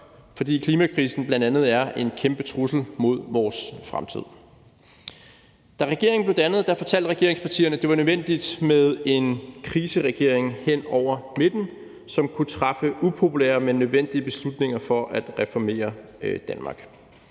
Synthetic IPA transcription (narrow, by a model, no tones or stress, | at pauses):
fɒ̽d̥ḭːkʰliːmækʰʁiːsn̩b̥lænd̥ænð̞̩ˠæɐʔe̝nkʰemb̥ət͡sʰʁusl̩mo̝ð̞̰ˠʋɒːsfʁa̰mt͡sʰið̞̰ˠ | d̥æʁɛɡ̥e̝ɐ̰ŋn̩ble̝ʊd̥ænəð̞̩ˠd̥ɑ̈fɒ̽t͡sʰæl̰d̥ʁɛɡ̥e̝ɐeŋspʰɑ̈t͡sʰḭːɐnəd̥e̝ʋɑnøʋen̰d̥id̥með̞ˠe̝nkʰʁiːsəʁɛɡ̥e̝ɐ̰e̝ŋhen̰ɒʊ̰ɐme̝d̥n̩ | sɒ̽mkʰut͡sʰʁɑ̈fəupʰo̝pʰulḛːɐmenːøðˠʋen̰d̥iəb̥e̝slud̥ne̝ŋɐfɒ̽ʔæd̥ʁɛfɒme̝̰ːɐd̥ænmɑ̈ːɡ̥